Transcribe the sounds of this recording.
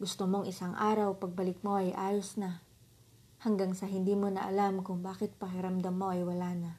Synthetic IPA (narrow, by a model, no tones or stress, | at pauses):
ɡʊst̪omoŋʔɪsaŋʔaːɾɐwpɐɡ̚bɐlɪk̚mo̞ʔɐjʔaːjosna | hɐŋɡaŋsɐɦɪnd̪iːmonɐ̰ʔɐlamkʊŋbaːkɪt̪̚pɐkɪɾɐmd̪ɐmːo̞ʔɐjwɐlaːnɐ